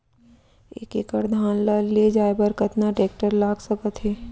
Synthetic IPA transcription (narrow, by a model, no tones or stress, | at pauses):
ḛːkeːkəɾd̪ʱaːnlaːled͡ʒaːebəɾkɐt̪naʈɾeːk̚ʈəɾlaːɡsɐbət̪ɦeː